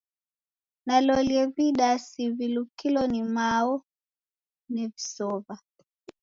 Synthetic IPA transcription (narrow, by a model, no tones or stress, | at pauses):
nalɔliɛβiɗasivilukilɔnimaɔ | nivisɔva